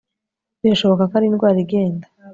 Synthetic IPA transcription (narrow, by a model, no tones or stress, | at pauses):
ziɾaʃo̞βokakaɾinɡwaːɾiɡe̞ːnda